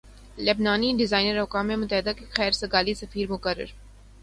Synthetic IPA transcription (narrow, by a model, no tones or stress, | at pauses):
lɐbnaːniɖɪzaːɪnəɾʊkaːmemʊt̪əɦɪd̪akexɛːɾsɐɡaːlisɐfiːɾmʊkəɾːə̰ɾ